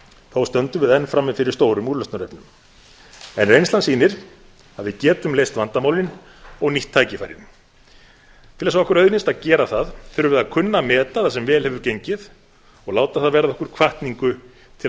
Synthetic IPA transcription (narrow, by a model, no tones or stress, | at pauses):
θowst̪œnt̪ʏvɪðɛnːfɾamːɪfɪɾɪɾ̥st̪oːwɾʏmulœst̪naɾɛpnʏm | ɛnɾejnst̪lansiːnɪɾ̥ | aðvɪðcɛːt̪ʏmlejst̪vant̪amaːwlɪn | ɔɣniht̪ʰːaːjcɪfa̰ːjɾɪ̰n | t̪ʰɪlɛsavɔhkʏɾœɥðnɪnst̪aðcɛːɾaθaðθʏɾʏvɪðakʰʏnːamɛːt̪aθasɛmvɛːlhɛvʏɾcejɲcɪð | ɔɣlaːwt̪aθaðvɛːɾaðɔhkʏɾ̥kʰvaht̪niŋkʏ | t̪ʰɪ